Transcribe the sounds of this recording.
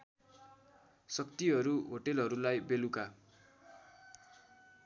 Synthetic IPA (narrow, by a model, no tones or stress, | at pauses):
sʌkt̪iɦʌɾuɦoʈelɦʌɾulajbeluka